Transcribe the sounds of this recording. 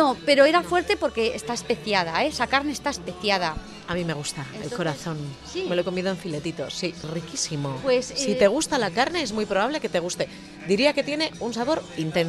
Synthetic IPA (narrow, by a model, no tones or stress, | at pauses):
nope̞ɾo̞e̞ɾafwe̞ɾt̪e̞po̞ɾke̞est̪aespeθjað̞aesakaɾne̞est̪aespeθjað̞a | amĩme̞ɣ̞ust̪aelko̞ɾaθo̞n | meloeko̞miðo̞eɱfile̞t̪it̪o̞̰sirikisimo̞pwesssit̪e̞ɣ̞ust̪alakaɾne̞ezmujpɾo̞βaβle̞ke̞t̪e̞ɣ̞ust̪e̞ | d̪iɾiake̞t̪je̞ne̞unsaβo̞ɾint̪e̞nso